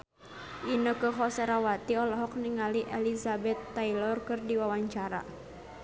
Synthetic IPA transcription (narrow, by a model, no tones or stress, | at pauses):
ʔinəkəɦɔsɛɾawat̪iɔlɔɦɔk̚niŋaliʔɛlisabɛt̪ːailɔrkɨrdiwawaɲt͡ʃaɾa̰